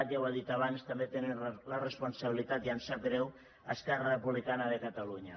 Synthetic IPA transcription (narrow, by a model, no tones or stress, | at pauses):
t̪jawald̪it̪aβanst̪ambet̪enelaresponsaβilit̪at̪iansaɡɾɛw | askɛrarepuβlikanaðekat̪aluɲa